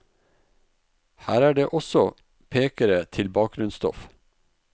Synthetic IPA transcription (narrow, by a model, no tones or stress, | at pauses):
hæːɾæːɖeːʔɔsɔ | pʰeːkəɾət̪ʰɪlbɑːk̚ɡ̥ɾʉnst̪ɔ̰f